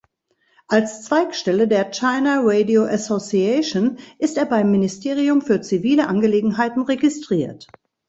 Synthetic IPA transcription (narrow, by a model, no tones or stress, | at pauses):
ʔalst͡sv̥aɪkʃtɛlədeːɐt͡ʃaɪnaʁedioʔasosiɛʃonʔɪsteːɐbaɪmːɪnɪstʰeːʁ̞iʊmfyːɐt͡siviːləʔanɡəleːɡŋ̩ɦaɪtn̩ʁeɡɪstʁ̥iːɐt